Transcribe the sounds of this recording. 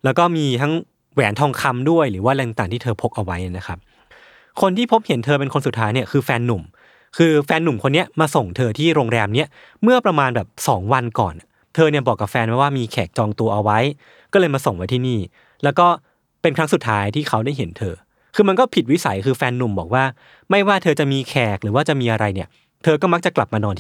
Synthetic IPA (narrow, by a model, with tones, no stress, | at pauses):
lɛː˦˥wkɔː˥˩miː˧t̪ʰa˦˥ŋ | wɛː˩˦nt̪ʰɔː˧ŋkʰa˧mdu˥˩əjɾɯː˩˦waː˥˩lɛ˧ŋt̪aː˨˩t̪ʰiː˥˩t̪ʰɤː˧pʰo˦˥k̚ʔa˧wa˦˥ja˨˩na˦˥kʰa˦˥p̚ | kʰo˧nt̪ʰiː˥˩pʰo˦˥p̚he˩˦nt̪ʰɤː˧p̬e˧nkʰo˧nsu˨˩t̪ʰːaː˦˥jni˥˩ɐkʰɯː˧fɛː˧nːu˨˩m | kʰɯː˧fɛː˧nːu˨˩mkʰo˧nːi˦˥ɐmaː˧so˨˩ŋt̪ʰɤː˧t̪ʰiː˥˩ɾoː˧ŋɾɛː˧mni˦˥ɐ | mɯ˥˩ɐpɾa˧maː˧nbɛː˨˩p̚sɔ̰ː˩˦ŋwa˧nkɔ̰ː˨˩nʔa˨˩ | t̪ʰɤː˧ni˥˩ɐbɔː˨˩kːa˨˩p̚fɛː˧nwa˧˥˩waː˥˩miː˧kʰɛː˨˩k̚t͡ɕɔː˧ŋt̪u˧ɐʔa˧wa˦˥j | kɔː˥˩lɤː˧jmaː˧so˨˩ŋwa˦jt̪ʰiː˥˩niː˥˩ | lɛː˦˥wkɔː˥˩ | pe˧nkʰɾa˦˥ŋsu˨˩t̪ʰːaː˦˥jt̪ʰiː˥˩kʰa˦˥wda˥˩jɦe˩˦nt̪ʰɤː˧ | kʰɯː˧ma˧nkɔː˥˩pʰi˨˩t̪̚wi˦˥sa̰˩˦jkʰɯː˧fɛː˧nːu˨˩mbɔː˨˩k̚waː˥˩ | ma˥˩jwaː˥˩t̪ʰɤː˧t͡ɕa˨˩miː˧kʰɛː˨˩k̚ɾɯː˩˦waː˥˩t͡ɕa˨˩miː˧ʔa˧ɾa˧jni˥˩ɐ | t̪ʰɤː˧kɔː˥˩ma˦˥k̚t͡ɕa˨˩kla˨˩p̚maː˧nɔː˧nʰ